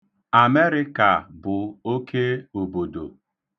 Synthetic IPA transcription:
a˨me˦ɾɪ˦ka˨bʊ˨o˦kʰe˦o˨bo˨do˨

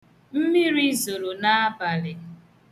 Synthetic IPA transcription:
m̩˦mi˦ɾi˦zo˨ɾo˨na˦a˦ba˨lɪ˨

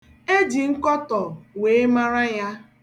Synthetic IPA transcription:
e˦d͡ʒi˨ŋ̩˦kɔ˦tɔ˨we˨e˦ma˦ɾa˦ja˦

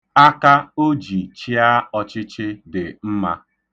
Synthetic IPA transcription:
a˦ka˦o˦d͡ʒi˨t͡ʃi˦a˦ɔ˦t͡ʃɪ˦t͡ʃɪ˦dɪ˨m̩˦ma̰˦

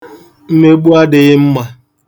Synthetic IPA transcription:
m̩˦me˦ɡ͡bu˦a˦dɪ˨ɣɪ˦m̩˦ma˨

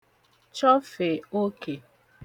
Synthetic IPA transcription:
t͡ʃɔ˦fe˨o˦ke˨

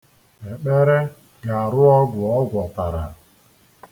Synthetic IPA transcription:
e˨k͡pe˦ɾe˦ | ɡa˨a˨ɾʊ˦ɔ˦ɡʷʊ˨ɔ˦ɡʷɔ˨ta˨ɾa̰˨

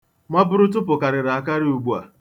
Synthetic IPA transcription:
ma˦bʊ˦ɾʊ˦t̬ʊ˦p̬ʊ˨ka˨ɾɪ˨ɾa˨a˨ka˦ɾɪ˦u˨ɡ͡bu˦a̰˨

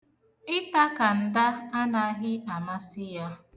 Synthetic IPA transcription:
ɪ˦ta˦ka˨n̩˨da˦a˦na˨a˦ɦɪ˦a˨ma˦sɪ˦ja˦

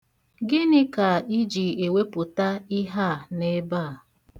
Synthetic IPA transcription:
ɡɪ˦nɪ˦ka˨i˦d͡ʒi˨e˨we˦pʊ˨ta˦i˦ɦa˦˨ne˦baː˦˨

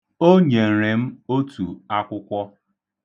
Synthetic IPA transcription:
o˦ɲe˨n̩˨ɾe˨m̩˦o˦tu˨a˦kʷʊ˦kʷɔ˦

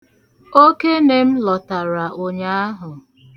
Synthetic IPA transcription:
o˦ke˦ne˦m̩˦lɔ˨ta˨ɾa˨ʔo˨ɲa˦a˦ɦʊ˨

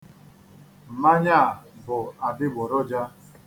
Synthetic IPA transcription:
m̩˨ma˦ɲa˦˨bʊ˨a˨dɪ˦ɡ͡bɔ˨ɾɔ˦d͡ʒa˦

